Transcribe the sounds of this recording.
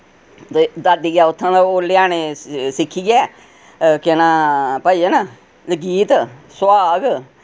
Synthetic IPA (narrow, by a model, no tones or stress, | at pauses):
d̪ad̪iːɡaːʊt̪ʰːãːd̪aoːlɪjaːneːsɪkʰːiːɡɛː | kɪnãːpəiːəna | ləɡiːt̪swaːɡ